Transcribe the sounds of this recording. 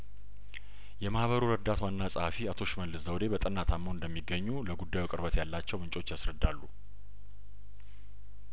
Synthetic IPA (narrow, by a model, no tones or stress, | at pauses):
jɛmahβəɾuɾəd̪ːat̪wanːasʼɨhafiat̪ʰo̞ʃməlːɨzəwd̪e̞bət̪ʼɨnːat̪ʰamːoɨnd̪əmːiɡːəɲːuləɡud̪ːajukʼɨɾbət̪jalːat͡ʃːɛwmɨnt͡ʃʼo̞t͡ʃːjasɾəd̪ːalːu